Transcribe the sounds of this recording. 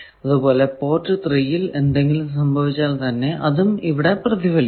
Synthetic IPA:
ɐðubo̞ːle̞po̞ːrʈːɨt̪rijile̞nd̪eŋɡilums̬ɐmbʱɐʋit͡ɕːaːlt̪ɐnːe̞ʔɐðumiʋiɽe̞prɐðiʋɐl

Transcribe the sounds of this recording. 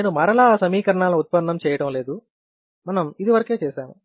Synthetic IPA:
neːnumɐɾɐlaːsɐmiːkɐɾɐɳaːlɐniut̪̚pɐnːɐmt͡ʃɛːjɐʈɐmle̞ːd̪u | mɐnɐmid̪iʋɐɾɐke̞ːt͡ʃɛːsaːmu

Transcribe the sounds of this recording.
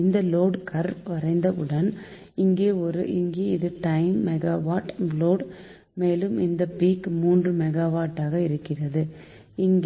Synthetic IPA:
ɪnd̪ɐloːɽkɐɾʋɐrɐɪnd̪ɐɯɽɐn | ɪŋɡeːɔɾɯʔɪŋɡeːɪðɯʈɐɪmːɛɣaːʋaːʈloːɽ | meːlɯmɪnd̪ɐpiːkmuːndrɯmɛɣaːʋaːʈːaːɣɐɪɾɯkːɪrɐðɯ | ɪŋɡ

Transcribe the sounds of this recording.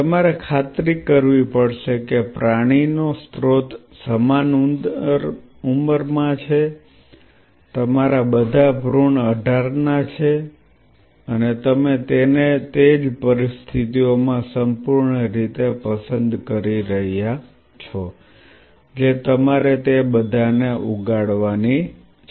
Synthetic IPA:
t̪əmaɾekʰat̪ɾikːəɾʋipəɽʃekepɾaɽ̃inost̪ɾot̪ | səmanuɾ | uməɾmãt͡ʃʰe | t̪əmaɾabəd̪ʱabʱɾuɳəɖʱaɾnat͡ʃʰe | ənet̪əmet̪enet̪ed͡ʒpəɾist̪ʰit̪iomãsəmpuɾɳəɾit̪epəsənd̪kəɾiɾəɦja | t͡ʃʰɔ | d͡ʒet̪əmaɾet̪ebəd̪ʱaneʔuɡaɽʋani

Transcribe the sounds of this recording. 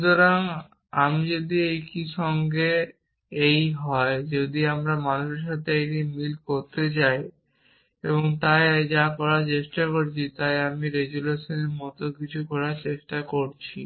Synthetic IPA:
ʃut̪oɾaŋ | amid͡ʑod̪iejkiʃɔŋɡe | ejɦɔed͡ʑod̪iamɾamanuʃeɾʃat̪ʰeeʈimilkoɾt̪et͡ɕaj | eboŋt̪ajd͡ʑakɔɾaɾt͡ɕeʃʈakoɾt͡ɕʰit̪ajamiɾeɡuleʃoneɾmɔt̪okit͡ɕʰukɔɾaɾt͡ɕeʃʈakoɾt͡ɕʰi

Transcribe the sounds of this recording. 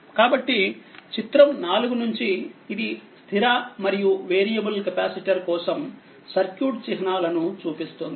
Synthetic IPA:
kaːbɐʈːit͡ʃit̪ɾɐmnaːluɡunuɲt͡ʃiːd̪ist̪ʰiɾaːmɐɾijuʋeːɾijɐbulkɐpaːsiʈɐɾkɔːsɐm | sɐɾkjuːʈt͡ʃiɦɐnaːlɐnut͡ʃuːpist̪und̪i

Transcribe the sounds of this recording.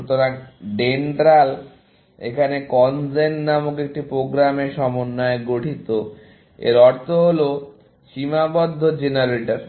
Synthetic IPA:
t̪oɾaɖeɳʈɾal | ḛkʰanekɔnd͡ʑennamukek̚ʈipɾoɡɾameʃɔmonːɔeɡoʈʰit̪o | ḛɾɔɾt̪ʰoɦolo | ʃimabɔd̪ʱːod͡ʑenaɾeʈaɾ

